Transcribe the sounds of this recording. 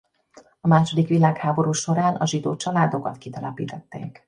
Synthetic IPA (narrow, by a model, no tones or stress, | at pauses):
ɒmaːʃo̞d̪ikʋilaːkhaːbo̞ɾuːʃo̞ɾaːnʔɒʒid̪oːt͡ʃɒlaːd̪o̞kɒt̪kit̪ɛlɛpḭːt̪ɛt̪ːḛːk